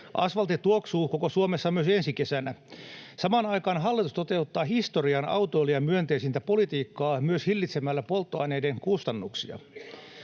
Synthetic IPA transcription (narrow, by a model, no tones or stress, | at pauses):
ʔɑ̰sʋɑlt̪et̪uoksuːkokosuomesːɑmyøsensikesænæsɑmɑːnɑikɑːnɦɑlːit̪ust̪o̞t̪e̞ut̪ːɑːhist̪oriɑnɑ̰uwt̪oeliɑmyønt̪eːsint̪æpolit̪iːkːɑːmyøshilːit̪semælːæpo̞lt̪ːoɑineideŋkust̪ɑnːuksḭɑ̰